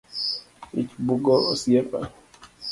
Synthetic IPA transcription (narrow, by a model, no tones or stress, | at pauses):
ḭt͡ʃbuɡɔɔsiɛpa̰